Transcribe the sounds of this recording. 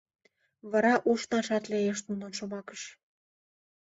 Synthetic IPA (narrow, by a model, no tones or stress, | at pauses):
βɑɾɑʔuʃnɑʃɑt̪lejeʃt̪unonʃŏmɑkəʃ